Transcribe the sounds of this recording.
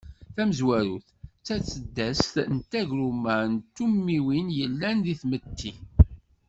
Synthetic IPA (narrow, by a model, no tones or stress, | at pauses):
θæməzwæɾṵθt͡sːæt͡sːəd̪ːæst̪nt̪ːæʝɾumænt̪ːumːiwinjəlːænðiθmət̪ːi